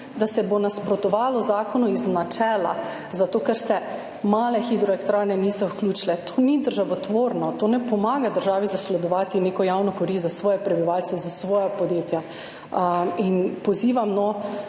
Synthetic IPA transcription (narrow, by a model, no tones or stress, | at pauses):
d̪asɛbonaspɾɔt̪ɔʋaːlɔzaːkɔnuiznat͡ʃɛːla̰ | zat̪oːkɛɾsɛ | maːlɛxid̪ɾɔɛkt̪ɾaːnɛnisɔwklʲuːt͡ʃilɛt̪ʰoːnid̪əɾʒaʋɔt̪ʋoːɾnɔt̪oːnɛpɔmaːɡad̪əɾʒaːʋizaslɛd̪ɔʋaːt̪ineːkɔjawnɔkoɾizasʋɔːjɛpɾɛbiʋaːlt̪sɛzasʋɔːjapɔd̪jeːt̪ja | inpɔziːʋamnɔ